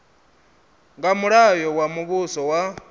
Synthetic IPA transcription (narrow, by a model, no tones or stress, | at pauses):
ŋɡamuɾajowamuβusowa